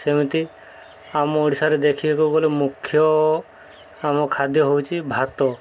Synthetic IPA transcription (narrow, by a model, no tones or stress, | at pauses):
semit̪i | amɔoɽisaɾed̪ekʰibekowɡɔlemukʰːjɔ | amɔkʰad̪jɔɦowt͡ʃʰibʱat̪ɔ